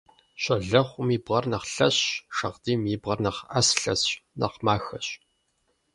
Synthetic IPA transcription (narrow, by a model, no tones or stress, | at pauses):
ɕʷɐɮɐχʷʊmiːbʁɐrnɐχɬɐɕʃɐʁdiːmiːbʁɐrnɐχɐsɬɐsnɐ̰qmaːxɐɕ